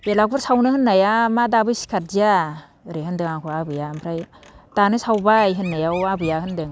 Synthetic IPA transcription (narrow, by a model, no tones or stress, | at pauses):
belak̚buɾsawnɯhɯnːajamadabɯjsi̥kʰat̚zija | ɾehɯndɯŋakʰuabɯjampʰɾaj | tanɯsawbajɦɯnːajawabɯjahɯndɯŋ